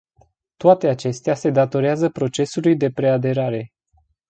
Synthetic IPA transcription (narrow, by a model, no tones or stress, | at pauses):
t̪oat̪e̞at͡ʃe̞st̪ease̞d̪at̪o̞ɾeazəpɾo̞t͡ʃe̞sulujd̪e̞pɾe̞ad̪e̞ɾaɾe̞